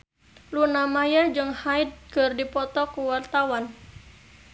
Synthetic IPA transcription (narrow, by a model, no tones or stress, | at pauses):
lunamajad͡ʒɨŋhaid̚kɨrdipɔt̪ɔkuwart̪awan